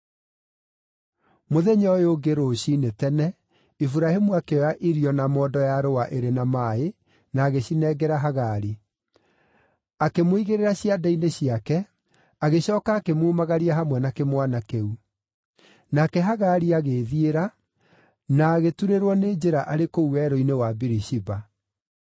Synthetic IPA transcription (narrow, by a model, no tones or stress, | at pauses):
moðɛɲɔjoɡeɾoɕinetɛnɛ | ifuɾahemuakeɔjaʔiɾiɔnamɔːdɔjaɾowaʔeɾenamae | naːɣeɕinɛɡɛɾaɦaɣaɾi | akemoiɣeɾeɾaɕiadaineɕiakɛ | aɣeɕɔːkaːkemuːmaɣaɾiaɦamwɛnakemwanakeu | nakɛɦaɣaɾiaɣeːðieɾa | naːɣetuɾeɾwɔneːd͡ʒeɾaʔaɾekouwɛɾoinewabiɾiʃiba